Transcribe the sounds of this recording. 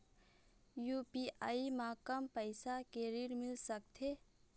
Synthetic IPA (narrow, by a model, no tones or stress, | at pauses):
jupiʔa̰ːimãːkəmpəɪsakeɾiɾmɪlsək̚t̪ʰe